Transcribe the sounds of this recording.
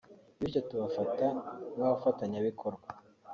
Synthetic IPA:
βit͡ʃatuβafatanaβafataɲaβikʰoɾɡwa

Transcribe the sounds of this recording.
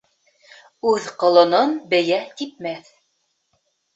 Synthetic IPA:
ʉðqŏlˠɤ̆nɤnbɘ̆jæt̪ip̚mæθ

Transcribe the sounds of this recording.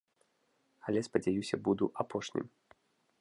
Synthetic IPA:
alʲɛspɐd͡zʲajusʲɐbud̪uʔapʰɔʂnʲḭm

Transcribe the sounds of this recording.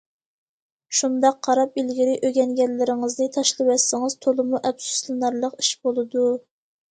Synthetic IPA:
ʃund̪ɑqʰːɑɾɑp̚ilɡʲiɾɪʔøɡʲɛnɡʲɛnːɪɾɪŋɨznɨt̪ʰɑʃlˠɨwɛsːɪŋɨzt̪ʰolˠɨmuʔɛbsu̥slˠɨnɑɾlˠəqi̥ʃb̥olˠɨd̪u

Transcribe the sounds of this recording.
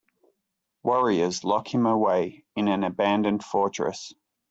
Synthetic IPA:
wʌɹiəzlɒkɪ̃ŋəweɪɪ̃nə̃nəbæ̃ndə̃nd̥fɔˑt͡ʃɹ̥ə̰s

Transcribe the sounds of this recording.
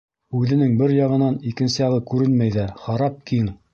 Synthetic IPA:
ʉðɘ̆nɘŋbɘɾjɑʁɤ̆nɑnikɘ̆nsɘjɑʁɤkʉɾɘnmæjðæχɑɾɑp̚kʰiŋ

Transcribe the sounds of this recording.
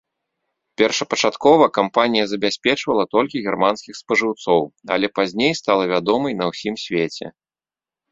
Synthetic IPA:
pʲɛrʂɐpɐt͡ʂat̪kɔvɐkampanʲijɐzɐbʲasʲpʲɛt͡ʂvɐlˠɐt̪ɔlʲkʲiɣʲɛrmanskʲixspɐʐɨwt̪sɔwɐ̰lʲɛpazʲnʲejst̪alˠɐvʲad̪ɔmɐjnɐwsʲimsʲvʲet͡sʲɛ̰

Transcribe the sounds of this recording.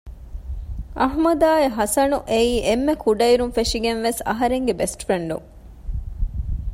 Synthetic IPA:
ʔɐɦmɐd̪aːeɦɐsɐnuʔeiːʔemːekʰuɖɐiɾunfeʂiɡenʋesɐ̰ɦɐɾeŋɡebesʈfɾeɳɖṵŋ

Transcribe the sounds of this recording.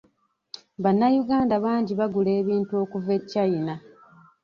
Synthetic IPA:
βanːajuɡaːndaβaːɲɟiβaɡule̞ːβiːntuo̞ːkuve̞cːajina

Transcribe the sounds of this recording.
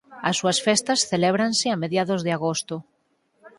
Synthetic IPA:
ɐsːuɐsfɛst̪ɐsθeleβɾansɪameðjaðʊzðɪaɣost̪ʊ

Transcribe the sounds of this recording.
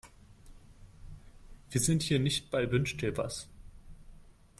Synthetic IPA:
v̥iːɐzɪnthiːɐnɪçt̚b̥aɪbʏnʃtʰɛːbɐ̰s

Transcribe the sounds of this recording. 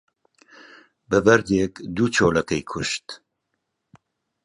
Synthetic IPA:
bɨbɛɾd̪eːkd̪ut͡ʃʰoːlɛkɛjkʰuʃt̪

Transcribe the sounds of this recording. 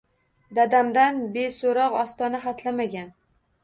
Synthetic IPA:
d̪ad̪amd̪anbesoɾɒqɒst̪ɒnaχat̪ʰlamaɡʲan

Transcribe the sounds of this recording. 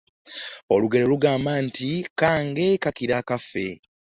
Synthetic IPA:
o̞luɡe̞ɾoluɡaːmbantikaːŋɡe̞kakiɾakafːe̞

